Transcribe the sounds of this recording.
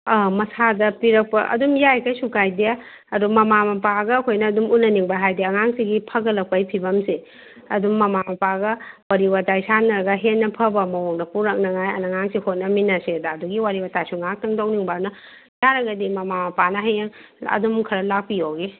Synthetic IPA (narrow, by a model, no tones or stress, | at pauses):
amɐsadɐpiɾɐk̚pɐ̰ʔɐ̰dumjajkʰajsukajdija | ɐdumɐmamɐpaɡɐːkʰojnɐːdumunɐniŋbaɦajdeɐŋaŋsiɡipʰɐɡɐlɐk̚pajpʰibɐmse | ɐdumːɐmamɐpaɡɐwaɾiwatajsanɐɾɐɡɐɦenːɐpʰɐbɐmɐwoŋnɐpuɾɐk̚nɐŋajɐ̰naŋaŋsihot̚nɐminɐsedaːduɡiwaɾiwatajsuŋak̚tɐŋdowniŋbanɐ | jaɾɐɡɐdimɐmamɐpanɐɦajeŋ | ɐ̰dumkʰɐɾɐlak̚pijowɡe